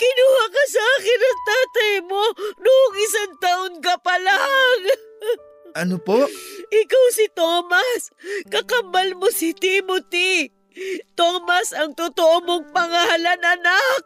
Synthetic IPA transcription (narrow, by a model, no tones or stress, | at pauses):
kɪnuːhakɐsɐʔaːkɪnɐŋt̪aːt̪ɐjmonoʔʊŋɪsaŋt̪aːʔoŋkɐpɐlaŋ | ʔɐnopoʔɪkawsɪt̪oːmɐskɐkɐmbalmosɪt̪imot̪i | t̪oːmɐsɐŋt̪ʊt̪oʔomoŋpɐŋalɐnɐnak̚